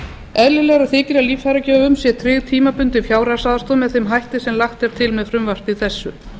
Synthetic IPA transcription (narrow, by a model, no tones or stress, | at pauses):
ɛðlɪlɛːɣaɾaðθɪːcɪɾaliːfhajɾacɛːvʏmsjɛt̪ʰɾɪɣt̪ʰiːmapʏnt̪ɪfjaːwɾasaːðast̪ɔːmɛðθemɦajht̪ɪsɛmlaxt̪ɛɾ̥t̪ʰɪlmɛðfɾʏmvar̥t̪iθɛsːʏ